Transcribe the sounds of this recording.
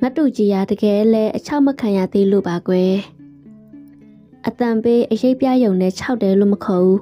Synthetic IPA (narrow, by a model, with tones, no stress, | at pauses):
ŋa˦tːṵ˦˨t͡ɕi˨ja˨də˨ɡɛ˨ʔlɛ˦ʔət͡ɕʰa˦ʊʔməkʰã˨ja̰˦˨d̪e˦˨lo̰˦˨ba˨ɡwɛ˨ | ʔət̪ã˨mpe˦ʔəje˦ɪʔpja˦jõ˨ʊ̃nɛ̰̃˦˨t͡ɕʰa˦ʊʔtːɛ˨lo̰˦˨məkʰɔ˨ʔu˦